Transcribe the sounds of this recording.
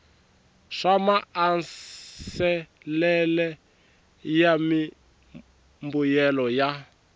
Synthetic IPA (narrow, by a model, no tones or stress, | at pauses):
ʂamaːnsɛ | lɛlɛ | jami | mbujɛlɔja